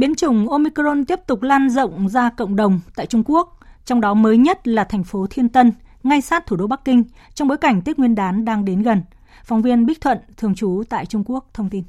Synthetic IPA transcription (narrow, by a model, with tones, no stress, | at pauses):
ɓi˨˦ənt͡ɕʊ˨˩ŋ͡mʔo˧mi˧kɾo˧nt̪i˦˥əp̚t̪ʊ˨˩k͡p̚laː˧nzə̰˧˨wŋ͡mzaː˧kə̰˧˨wŋ͡mɗə˨˩wŋ͡mt̪a̰ː˧˨jt͡ɕʊ˧ŋ͡mku˦˥ək̚t͡ɕɔ˧wŋ͡mɗɔ˨˦məː˨˦jɲə˦˥t̚laː˨˩t̪ʰɛ˨˩jŋ̟fo˨˦t̪ʰi˧ənt̪ə˧nŋa˧jsaː˦˥t̚t̪ʰu˧˩ɗo˧ɓa˦˥kːï˧ŋ̟ | t͡ɕɔ˧ŋ͡mɓoː˨˦jka˧˩jŋ̟t̪i˦˥k̚ŋwi˧ənɗaː˨˦nɗaː˧ŋɗe˨˦nɣə˨˩n | fɔ˨˦wŋ͡mvi˧ənɓi˦˥k̟̚t̪ʰwə̰˧˨nt̪ʰɨ˧əŋt͡ɕu˨˦t̪a̰ː˧˨jt͡ɕʊ˧ŋ͡mku˦˥ək̚t̪ʰə˧wŋ͡mt̪i˧n